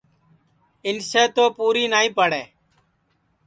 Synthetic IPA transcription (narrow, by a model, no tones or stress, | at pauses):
ɪnseːt̪oːpuːɾiːnaːĩːpəɽeː